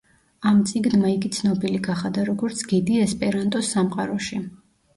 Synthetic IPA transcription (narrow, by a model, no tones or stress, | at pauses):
amt̪sʼiɡnmaiɡit̪sʰnɔbiliɡaχad̪aɾɔɡɔɾt̪sʰɡ̥id̪iɛspʼɛɾant̪ʼɔsamqʼaɾɔʃi